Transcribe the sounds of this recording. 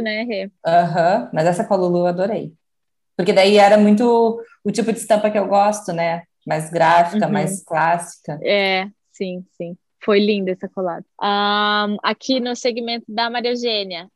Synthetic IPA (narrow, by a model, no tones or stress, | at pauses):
nɐ̃eɦeɐ̃ɦɐ̃mɐzɛsɐkaluluead̪oɾej | poɾked̪aiɛɾɐmũj̃t̪̬ʊ | ʊt͡ʃipʊd͡ʒɪst̪ɐ̃pɐkɪewɡɔst̪ʊnɛ | majzɡɾafi̥kɐmajsklasi̥kɐɛ | sĩsĩ | fojlĩnd̪ʊɛsɐkolad̪ɐɐ̃akʰinʊseɡimẽnt̪ʊd̪ɐmaɾioʒẽniɐ